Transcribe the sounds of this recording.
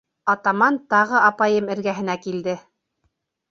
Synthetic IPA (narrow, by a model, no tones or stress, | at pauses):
ɑt̪ɑmɑnt̪ɑʁɤɑpɑjɤmɘ̆ɾɡæɦɘ̆nækild̪ɘ